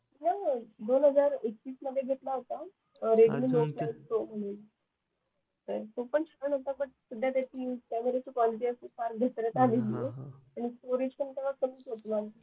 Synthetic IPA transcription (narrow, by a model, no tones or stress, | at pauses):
nad̪onɦəd͡zaɾektiːsnəʋeɡʱeʈlaɦot̪a | ɾeʈmiːloket̪om̤əɳel | səɾt̪opəɳɕəənot̪abəʈsud̪ʱːjat̪jaʈiːmt̪ameɾet͡ɕiːkʋɔliʈ̬iəsufaɾkɡʱet̪ɾət̪alelieañisʈoɾed͡ʑpəɳt̪aʋəkəmiːsot̪la